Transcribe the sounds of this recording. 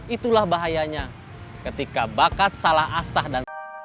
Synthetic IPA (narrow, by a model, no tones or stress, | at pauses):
it̪ulahbaɦajaɲa | kət̪ikabakat̪̚salahasahdan